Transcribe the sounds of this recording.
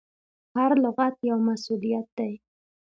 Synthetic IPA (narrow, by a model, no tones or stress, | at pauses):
haɾlʊɣat̪jawmasulijat̪̚d̪̥aj